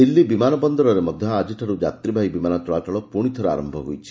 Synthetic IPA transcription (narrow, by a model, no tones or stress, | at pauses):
d̪ilːibimanɔbɔnd̪ɔɾɔɾemɔd̪ʱjɔad͡ʒiʈʰaɾud͡ʒat̪ɾibʱajbimanat͡ʃɔɭat͡ʃɔɭɔpuɽ̃it̪ʰɔɾea̰ːɾɔmbʱɔɦujt͡ʃʰi̥